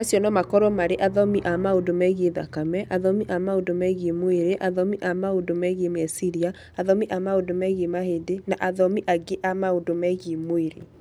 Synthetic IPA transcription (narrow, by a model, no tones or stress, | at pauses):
asjɔnɔmakɔɾɔmaɾeʔaðɔmiʔamaodomɛɣieða̰kamɛʔaðɔmiʔamaodomɛɣemoeɾeʔaðɔmiʔamaodomɛɣemɛsiɾia | aðɔmiʔamaodomɛɣemahedenaʔaðɔmiʔaɡeʔamaodomɛɣimoeɾḛ